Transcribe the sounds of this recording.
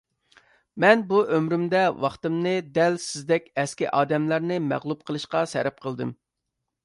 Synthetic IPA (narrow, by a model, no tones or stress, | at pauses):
mɛnbuʔømɾymd̪ɛwɑχt̪ɨmnɨd̪ɛlsɪzd̪ɛkʲɛskʲiʔɑːd̪ɛmlæɾnɨmæ̰ʁlˠup̚qʰəlˠɨʃqɑsɛ̰ɾɛp̚qʰəlˠd̪ɨ̰m